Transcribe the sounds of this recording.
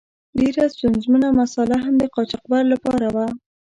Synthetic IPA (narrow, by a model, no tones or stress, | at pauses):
ɖeɾast̪unzmunamasɑlaɦamd̪əqɑt͡ʃɑq̚baɾlapɑɾawa